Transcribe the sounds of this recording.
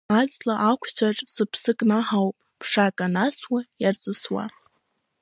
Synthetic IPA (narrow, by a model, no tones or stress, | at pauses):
ad͡zlaʔakʷʰt͡ɕʰaʈ͡ʂʼsɨpʰsɨkʼnaħawpʼpʰʂakʼanaswajart͡sʼɨswa̰